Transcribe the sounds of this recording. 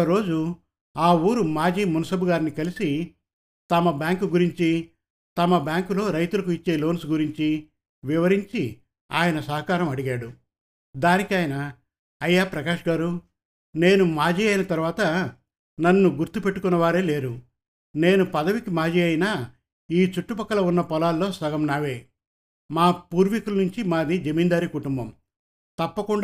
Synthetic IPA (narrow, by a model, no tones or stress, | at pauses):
ɐɾo̞ːd͡ʒu | aːuːɾumaːd͡ʒiːmunɐsɐbuɡaːɾnikɐlisi | t̪ɐmɐbjaːŋkuɡuɾiɲt͡ʃi | t̪ɐmɐbjaːŋkulo̞ːɾɐjt̪ulɐkuit͡ʃːe̞ːlo̞ːnsɡuɾiɲt͡ʃi | ʋiʋɐɾiɲt͡ʃi | a̰ːjɐnɐsɐɦɐkaːɾɐmɐɽiɡaːɽu | d̪aːnikiaːjɐnɐː | jːaːpɾɐkaːʂɡaːɾu | ne̞ːnumaːd͡ʒiːɐjnɐt̪ɐɾuʋaːt̪ɐ | nɐnːuɡuɾt̪upe̞ʈːukunːɐʋaːɾe̞ːle̞ːɾu | ne̞ːnupɐd̪ɐʋikimaːd͡ʒiːɐjinaː | iːt͡ʃuʈːupɐkːɐlɐunːɐpɔlaːlːo̞ːsɐɡɐmnaːʋeː | maːpuːɾʋikulɐnuɲt͡ʃimaːd̪id͡ʒɐmiːnd̪aːɾikuʈumbɐm | t̪ɐpːɐkuɳ